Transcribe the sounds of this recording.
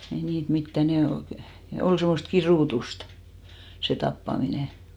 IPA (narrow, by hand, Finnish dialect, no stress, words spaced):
ei niːt mitːæ ne ol kĭ ne ol semːost kiruˑtustɑ̥ se tɑpːɑmine